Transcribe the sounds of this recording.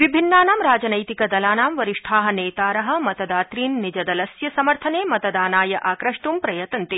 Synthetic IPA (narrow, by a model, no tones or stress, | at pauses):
ʋibʱinːaːnaːmɾaːd͡ʒɐnɐjt̪ikɐd̪ɐlaːnaːmʋɐɾiʂʈʰaːɦɐ̆neːt̪aːɾɐɦɐ̆mɐt̪ɐd̪aːt̪ɾiːnːid͡ʒɐd̪ɐlɐsjɐsɐmɐɾt̪ʰɐneːmɐt̪ɐd̪aːnaːjɐʔaːkɾɐʂʈuːmpɾɐjɐt̪ɐnt̪i